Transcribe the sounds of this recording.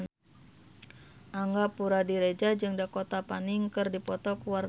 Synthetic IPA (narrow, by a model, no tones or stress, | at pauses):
ʔaŋɡapuɾadiɾed͡ʒad͡ʒɨŋdakot̪apanɪŋkɨrdipɔt̪ɔkuwar